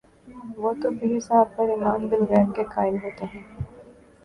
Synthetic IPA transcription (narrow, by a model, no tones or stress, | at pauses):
ʋoːt̪obisaːɾ̚pɐɾɪmaːnbɪlɣɛːɾmkekaːɪlɦoːt̪eɦɛ̃ː